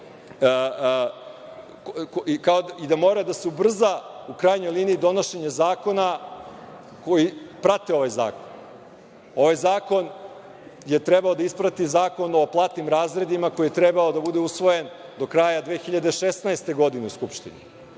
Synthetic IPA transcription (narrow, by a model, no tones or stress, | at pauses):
kaoid̪amo̞ɾad̪aseubr̩zaukɾaːjɲo̞jlˠiːniːd̪o̞no̞ʃe̞ɲezaːko̞na | ko̞jipɾat̪e̞o̞ʋajza̰ːkon | o̞ʋajzaːko̞n | je̞t̪ɾebao̞d̪aispɾat̪izaːko̞no̞plˠaːt̪nimɾaːzɾe̞d̪imako̞jijet̪ɾebao̞d̪abud̪e̞usʋo̞je̞nd̪o̞kɾaːjad̪ʋeːxiʎad̪eʃesnaest̪e̞ɡo̞d̪ineuskupʃt̪ḭnḭ